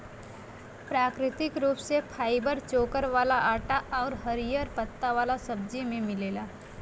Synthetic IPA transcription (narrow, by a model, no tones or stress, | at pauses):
pɾaːkɾɪt̪ɪkɾuːpsepʰaːɪbəɾt͡ʃoːkəɾʋaːlaʔaːʈaʔɔːɾɦəɾijəɾpət̪ːaʋaːlasɐb̚d͡ʒimẽmɪleːlaː